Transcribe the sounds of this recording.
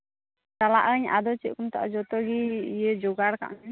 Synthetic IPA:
t͡ʃalaʔəɲa̰d̪ɔt͡ʃit̪̚kumt̪a̰ʔd͡ʒɔt̪ɔɡiijɛd͡ʒɔɡaɽka̰ʔnɛ

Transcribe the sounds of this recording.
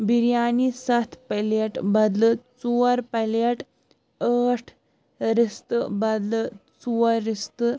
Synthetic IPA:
biɾjaːnisɐt̪ʰpɐleʈbɐd̪lɨt͡suɐɾpɐleʈ | əːʈʰ | ɾist̪ɨbɐd̪lɨt͡suɐɾːist̪ɨ

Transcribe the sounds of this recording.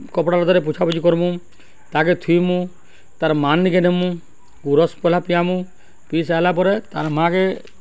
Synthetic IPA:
kɔpɽaɾɔd̪aɾep̬ut͡ʃʰapɔt͡ʃikɔɾmũ | t̪aket̪ʰujmũ | t̪aɾmanːikenemũ | ɡuɾɔspɔlapijamũ | pisalapɔɾet̪aɾmake

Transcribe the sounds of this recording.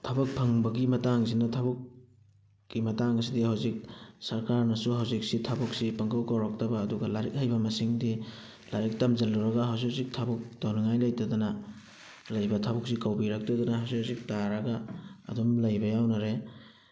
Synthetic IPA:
tʰɐbɐk̚pʰɐŋbɐɡimɐtaŋzinɐtʰɐbukː | imɐtaŋɐs̬idihawzik̚sɐɾkaɾnɐsuɦawzik̚sitʰɐbuk̚sipɐŋkɐwkawɾak̚tɐbɐːduɡɐlaɾik̚hajbɐmɐsiŋdi | laɾik̚tɐmzɐlːuɾɐɡɐɦawsiawzik̚tʰabuk̚dawnɐŋajlɐjtɐdanɐ | lɐjbɐtʰabuk̚sikawbiɾak̚tɐdɐnɐɦawsiawzik̚taɾɐɡa̰ːdumlɐjbɐjawnɐɾe

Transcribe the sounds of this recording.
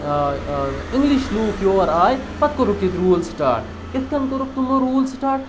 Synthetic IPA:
iŋɡliʃluːkjoːɾaːjpɐt̪̚koɾukit̪ɾuːlsiʈa̰ːɾʈ | ket̪ʰkɐnkoɾuk̚t̪umoɾuːlsʈaːɾʈ̚

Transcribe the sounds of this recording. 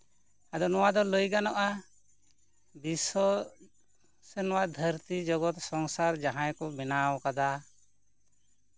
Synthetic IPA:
ad̪ɔnɔwad̪ɔləjɡanɔʔa | bisɔ | sɛnɔwad̪ʱəɾt̪id͡ʒɔɡɔt̪sɔŋsaɾd͡ʒaɦãjkɔbɛnawkad̪a

